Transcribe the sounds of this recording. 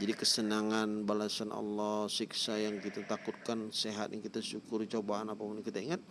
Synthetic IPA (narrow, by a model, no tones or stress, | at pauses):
d͡ʒadikəsənaŋanbalasanʔɑ̰lːɔhsiksajaŋkit̪at̪akʊt̪̚kanseɦat̪jaŋkit̪asukʊrt͡ʃobaɦanapapunkit̪aiŋat̪̚